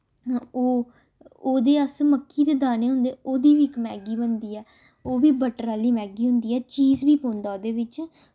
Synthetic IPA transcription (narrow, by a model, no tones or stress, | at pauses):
oː | oːd̪eːəsməkːiːd̪eːd̪aːneːɦʊ̃nd̪eːoːd̪iːʋiːɪkmɛːɡiːbənd̪iːɛː | oːʋiːbəʈɾaːliːmɛːɡiːɦʊ̃nd̪iːɛːt͡ʃiːzbiːpõːnd̪aːod̪eːʋɪt͡ʃ